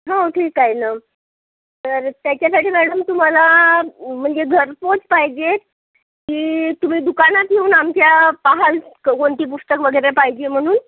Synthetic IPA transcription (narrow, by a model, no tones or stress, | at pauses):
ɦãoʈʰiːkːajna | t̪əɾt̪jat͡ɕjasaʈʰiːmæɽəmt̪um̤ala | m̤əɳd͡zeɡʱəɾpot͡spaɦjd͡ʑe | kiːt̪um̤iːd̪ukanat̪̚ɡʱeuːnamt͡ɕjapaɦalkoɳʈ̪iːp̬usʈ̪əkʋəɡəjɾepaɦjd͡ʑem̤əɽ̃uːn